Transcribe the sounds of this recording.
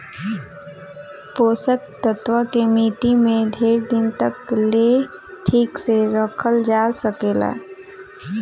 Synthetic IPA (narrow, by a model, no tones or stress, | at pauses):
poːsəkt̪ət̪wəkemiːʈimẽɖʱeːɾd̪ɪnt̪əkleʈʰiːkseɾəkʰəld͡ʒaːsəkeːla̰ː